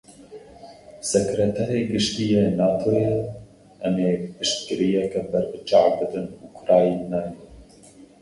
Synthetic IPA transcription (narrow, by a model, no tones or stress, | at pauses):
sɛkɾɛt̪ʰɛɾeːɡɨʃt̪ijenɑːt̪ʰoje | ʔɛmeːpɨʃt̪̚kɨɾijɛkɛbɛɾbɨt͡ʃɑːwbɨd̪ɨnukʰʊɾɑːjinɑːjɛ